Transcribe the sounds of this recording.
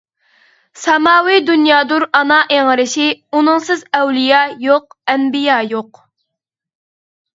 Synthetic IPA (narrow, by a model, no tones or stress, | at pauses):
sɑmɑːwid̪unjɑːd̪uɾɑnɑʔeŋəɾɪʃɪunɨŋsɨzɛwlijɑjoq̚ɛnbijɑːjoq